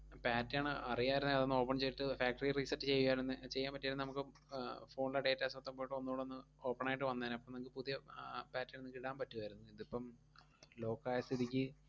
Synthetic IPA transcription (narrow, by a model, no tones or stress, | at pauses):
paːtːaːɳɨɐrijaːiɾunɐðɐðo̞nːo̞ːpːɐɳt͡ɕe̞jiʈːɨfaːk̚ʈɐririsɐtːɨt͡ɕe̞jːujaːlenːɨt͡ɕe̞jːaːmpɐtːaːɾnɨnɐmukːɨ | fo̞ːɳilɐɖe̞ːtːaːsɐt̪ːɐmboːjiʈːɨo̞nːuuɽeo̞nːɨ | o̞ːpːɐɳaːjiʈ̬ːɨʋɐnːaːnɐpːɐmnɐmkilpuðijɐpaːtːɐenːɨkiɽaːmpɐtːɨʋɐjɾunːuiðipːɐm | lo̞ːkːaːjɐst̪ʰiðikʲːɨ